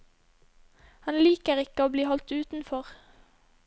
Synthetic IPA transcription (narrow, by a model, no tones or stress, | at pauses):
hɑnliːkəʁɪkəoːbliːhɔlt̪ʉːt̪n̩fɔʁ